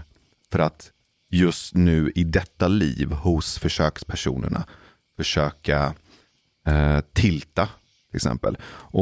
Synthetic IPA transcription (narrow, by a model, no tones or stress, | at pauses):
fœɾat̪ | jɵst̪nʉ̟ːɪd̪ɛt̪ːaliːvhʊsfœʂøːkspʰæʂṵːnə̰ɳa̰ | fœʂøːka | t̪ʰɪlt̪a | t̪ʰɪlɪksɛ̰mpə̰lʔɔ